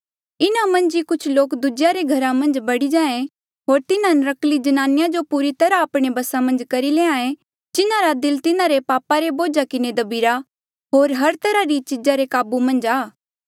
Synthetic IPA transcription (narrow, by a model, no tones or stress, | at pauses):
ɪnamɐ̃nd͡ʒikʊt͡ʃʰloːkd̪ʊd͡ʒjaɾeɡʱɐɾamɐ̃nd͡ʒbɐɽid͡ʒãːẽ | ɦoːɾt̪ɪnãnɾɐklid͡ʒɐnaːnɪjad͡ʒopuːɾit̪ɐɾaɐpɽ̃ebɐsamɐ̃nd͡ʒkɐɾileːãːẽ | d͡ʒɪnãɾad̪ɪlt̪ɪnãɾepaːpaɾeboːd͡ʒakɪned̪ɐbiːɾa | ɦoːɾɦɐɾt̪ɐɾaɾit͡ʃɪd͡ʒaɾekaːbumɐ̃nd͡ʒaː